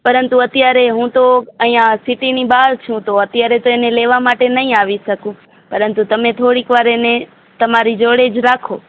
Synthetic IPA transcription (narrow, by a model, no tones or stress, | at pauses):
pɐɾənt̪uɐt̪ɪjaːɾeɦũt̪oə̃ãsɪʈiniɓaːɾt͡ʃʰũt̪oɐt̪jaːɾet̪oeːneleːʋamaːʈenɐɦĩaːʋisɐkũ | pɐɾənt̪ut̪ɐmẽt̪ʰoːɽiːkʋaːɾene | t̪ɐmaːɾid͡ʒoːɽeːd͡ʒɾaːkʰoː